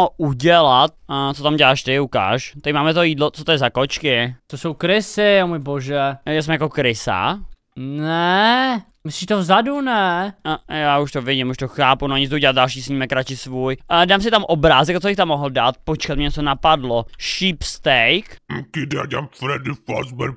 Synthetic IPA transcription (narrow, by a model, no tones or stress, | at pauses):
oʔuɟɛlat̪̚t͡sot̪amɟɛlaːʃt̪ɪuka̰ːʃt̪ɛmaːmɛt̪ojiːdlot͡sot̪ojɛzakot͡ʃkɪt̪osowkɾɪsɪomʊjboʒɛjasmɛjakokɾɪsa̰ | nɛ | mɪsiʃt̪ovzadunɛ | jaːuʃt̪ovɪɟɪmuʃt̪oxaːpunoɲɪt͡sd̪uɟɛlat̪dalʃiːsɲiːmɛkːɾat͡ʃɪsvuːjdaːms̬ɪt̪amʔobɾaːzɛkt͡sobɪxt̪amːoɦl̩dat̪̚pot͡ʃkat̪mɪɛɲɛt͡sonapadloʃiːpst̪ɛjk̩kɪd̪a̰ɟɛa̰mfɾɛdɪfa̰zbɛɾ